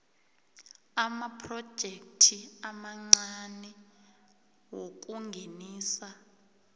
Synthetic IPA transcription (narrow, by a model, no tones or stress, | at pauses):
amapʰrɔd̥ʒ̥ʱek̚tʰiamaŋ͡ǀanɛ | wok̬ʼuŋɡʱeniːsa